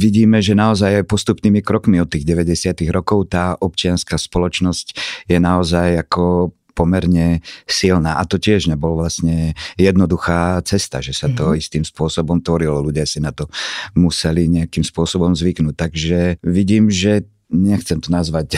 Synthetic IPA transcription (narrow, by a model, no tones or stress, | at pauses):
ʋiɟiːmɛʒɛnaɔzajajpɔst̪upniːmikɾɔkmiɔt̪ːiːɣɟɛʋɛɟɛsɪat̪iɣɾɔkɔʊt̪aːʔɔpt͡ʃɪanskaːspɔlɔt͡ʃnɔscjɛnaɔzajakɔ | pɔmɛɾɲɛsilnaːʔat̪ɔcɪɛʒɲɛbɔlɔʋlasɲɛjɛd̪nɔd̪uxaːt͡sɛst̪a̰ʒɛsat̪ɔist̪iːmspʊɔsɔbɔmt̪ʋɔɾilɔluɟɪasinat̪ɔmusɛliɲɛakiːmspʊɔsɔbɔmzʋiknuːt̚t̪ːaɡʒɛʋiɟiːmʒɛ | ɲɛxt͡sɛmt̪ɔnazʋac